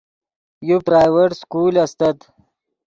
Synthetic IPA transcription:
jupɾaːjweʈskuːlɐst̪ɐt̪

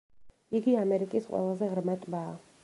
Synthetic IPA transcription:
iɡiamɛɾikʼisqʼwɛ̰lˠazɛʁɾmɛt̪ʼbaː

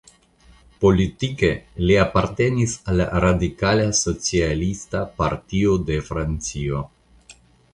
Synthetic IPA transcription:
po̞lit̪ike̞liapaɾte̞nisala̰ɾadikalaso̞t͡sialistapa̰ɾtiode̞fɾant͡sio̞

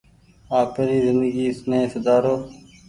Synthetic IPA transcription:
aːpeɾiːzɪnd̪əɡiːɪsnẽːsəd̪aːɾoː

